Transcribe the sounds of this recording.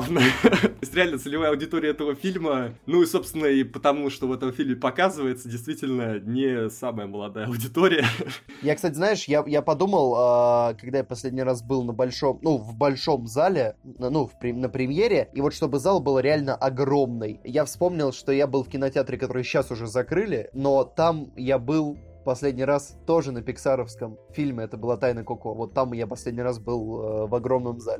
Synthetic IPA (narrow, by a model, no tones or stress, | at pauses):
nət̪osʲtʲɾʲɪalʲnət̪sɨlʲɪvajəɐʊdʲɪt̪oɾʲɪjəɛt̪əvəfʲilʲmənuiso̞pst̪vʲɪnːəipət̪ɐmuʂt̪ovɛt̪əmfʲilʲmʲɪpɐkazɨvəjɪt̪sədʲɪjst̪vʲitʲɪlʲnənʲɪsaməjəməlˠɐd̪ajəɐʊdʲɪt̪oɾʲɪjə | jakst̪atʲɪzaɪʂjajapɐd̪uməlˠəkɐɡ̚d̪ajapɐsʲlʲedʲnʲɪjrɾas̬bɨlˠnəbɐlʲʂo̞mnuvbɐlʲʂo̞mzalʲɪnnufpɾʲɪnəpɾʲɪmʲjeɾʲɪivo̞t̪ʂt̪o̞bɨzalˠbɨlˠɾʲɪalʲnəʔɐɡro̞mnɨjjafspo̞mnʲɪlˠʂt̪o̞jabɨlˠfkʲɪnɐtʲɪat̪ɾʲɪkɐt̪o̞ɾɨjɕːasʊʐɛzɐkɾɨlʲɪno̞t̪amjabɨlˠ | pɐsʲlʲedʲnʲɪjɾast̪o̞ʐɨnəpʲɪksaɾəfskəmfʲilʲmʲɪɛt̪əbɨlˠat̪ajnəkokovo̞t̪ːamjapɐsʲlʲedʲnʲɪrasbɨlˠəvɐɡɾo̞mnəmzalʲɪ